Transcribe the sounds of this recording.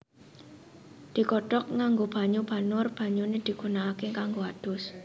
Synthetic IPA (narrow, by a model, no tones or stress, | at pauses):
d̪̥i̤kɔɖ̥ɔk̚ŋaŋɡob̥a̤ɲub̥a̤nʊrb̥a̤ɲuned̪̥i̤ɡ̥ṳnaːkekaŋɡoad̪̥ʊ̤s